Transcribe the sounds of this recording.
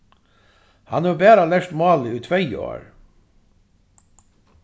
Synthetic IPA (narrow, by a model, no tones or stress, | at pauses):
hɑnʉːbæːɾalɛʂt̪mɑːlɪʉːt̪ʰʋɛj̰o̰ːɹ